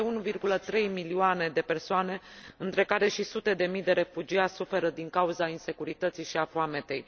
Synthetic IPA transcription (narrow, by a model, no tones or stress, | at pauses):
eunuvirɡulət̪ɾe̞jmilioane̞d̪e̞pe̞rsoane̞ | ɨnt̪ɾe̞kaɾe̞ʃisut̪e̞d̪e̞mijd̪e̞ɾe̞fud͡ʒiat̪ʲsufe̞ɾəd̪iŋkauzainse̞kuɾit̪ət̪siʃiafoame̞t̪e̞j